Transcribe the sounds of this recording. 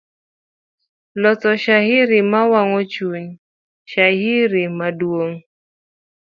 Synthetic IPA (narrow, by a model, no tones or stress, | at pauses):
lɔt͡sɔʃahɪɾɪmawaŋɔt͡ʃuɲ | ʃahiɾimadwoŋ